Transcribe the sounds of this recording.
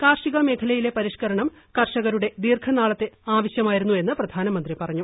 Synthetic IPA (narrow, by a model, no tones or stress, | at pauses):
kaːrʂiɣɐme̞ːkʰɐlɐjile̞pɐɾiʂkɐɾɐɳɐm | kɐrʂɐɣɐɾuɽe̞d̪iːrkʰɐnaːɭɐt̪ːe̞aːʋɐɕjɐmaːjiɾunːue̞nːɨprɐd̪ʱaːnɐmɐnd̪ripɐrɐɲːu